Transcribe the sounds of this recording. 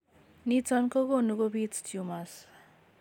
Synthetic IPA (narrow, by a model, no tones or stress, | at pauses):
nit͡sʌnkoɡonuɡobit͡stʰjumas